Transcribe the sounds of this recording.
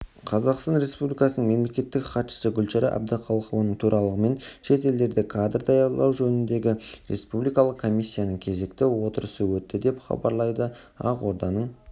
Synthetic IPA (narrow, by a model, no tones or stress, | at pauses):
qʰɑzɑqst̪ɑnɾe̞spublʲijkɑsənəɴme̞mle̞kʲe̞t̪ːɪkχɑt̪ʃə̥səɡʲʏlʃɑɾɪ̰ʔæ̰b̚d̪əqʰɑlˠəχəvɑnəɴt̪ʰuɾʔɑlˠəʁəme̞nʃe̞t̪e̞ld̪e̞ɾd̪ɪkʰad̪rd̪ɑjɑɾlˠɑwʒɵnɪnd̪e̞ɡʲɪɾʔe̞̰spublijkɑlˠəqkʰːo̞mijsʲːijanəɴkʲʰe̞ze̞kt̪ɪwo̞t̪əɾəsəwɵt̪ːɪd̪e̞pχɑ̰bɑɾlˠɑjd̪ə | ɑ̰qwo̞ɾd̪ɑnəɴ